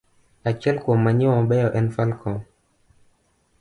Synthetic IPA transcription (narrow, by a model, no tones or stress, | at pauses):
at͡ʃɛlkɔmaɲiwaɓɛjɔʔɛnfalkɔm